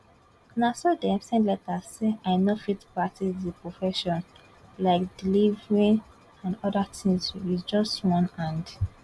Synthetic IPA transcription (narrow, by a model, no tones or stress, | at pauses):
nasɔdɛ̃msɛ̃ndlɛtazseaɪnofitpɹatidipɹɔfɛʃɔ̃n | laɪkd̥ilivɹĩn | ãndɔdatʰĩnsisd͡ʒɔstwɔ̃nãnd